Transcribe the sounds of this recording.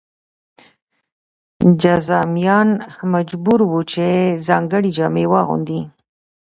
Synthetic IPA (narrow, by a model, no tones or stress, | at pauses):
d͡ʒazɑmjɑnmad͡ʒbuɾwut͡ʃezɑŋɡəɽid͡ʒɑmewɑɣṵnd̪i